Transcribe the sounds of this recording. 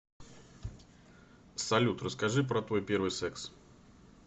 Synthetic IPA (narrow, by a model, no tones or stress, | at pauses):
sɐlʲut̪rəskɐʐɨp̬ɾət̪vo̞jpʲe̞ɾvɨjsɛks